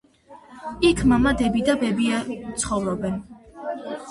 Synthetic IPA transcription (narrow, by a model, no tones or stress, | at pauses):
ikʰmamad̪ɛbid̪abɛbiat̪sʰχɔvɾɔbɛn